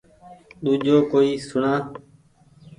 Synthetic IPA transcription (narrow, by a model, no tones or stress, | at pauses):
ɗ̪uːd͡ʒʱoːkoːiːsʊɳaː